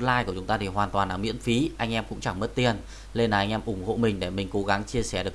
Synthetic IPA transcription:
n̚laː˧jku˧˩ət͡ɕʊ˨˦ŋ͡mt̪aː˧t̪ʰi˨˩ɦwaː˨˩nt̪waː˨˩nlaː˨˩mḭ˧˥ənfi˨˦ʔa˧jŋʔɛ˧mkʊ̰˧˥ŋ͡mt͡ɕa˧˩ŋmə˦˥t̚t̪i˧˩ən | le˧nlaː˨˩ʔa˧jŋʔɛ˧mʔʊ˧˩ŋ͡mho̰˧˨mï˨˩ŋ̟ɗe˧˩mï˨˩ŋ̟ko˨˦ɣa˨˦ŋt͡ɕi˧əsɛ˧˩ɗɨ˨˩

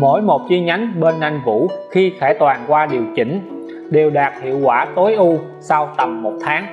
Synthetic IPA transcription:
mo̰˧˥jmo˨˩t̚zi˧ɲa˨˦jŋ̟ɓe˧nːa˧jŋvṵ˧˥xi˧xɛː˧˩t̪waː˨˩nkwaː˧ɗi˨˩əwt͡ɕï˧˩ŋ̟ | ɗe˨˩wɗaː˨˩t̚hḭ˧˨əwkwaː˧˩t̪o˨˦jʔu˧ | sa˧wt̪ə˨˩mːo˨˩t̚t̪ʰaː˨˦ŋ

